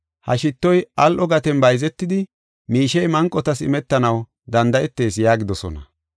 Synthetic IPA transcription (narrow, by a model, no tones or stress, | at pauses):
hɐ̰ʃɪt̪ːɔjɐlʔɔɡɐt̪ɛnbɐjzɛt̪ːɪd̪ɪ | miːʃɛjmɐŋkʼːɔt̪ɐsɪ̰mɛt̪ːɐnɐw | d̪ɐnd̪ɐʔɛt̪ːe̞ːsjaːɡɪd̪ɔsɔ̰nɐ̰